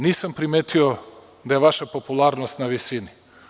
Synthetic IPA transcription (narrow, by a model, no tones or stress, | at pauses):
niːsampɾimeːt̪ʰio | d̪aje̞ʋaʃapopulˠaɾnost̪naʋisini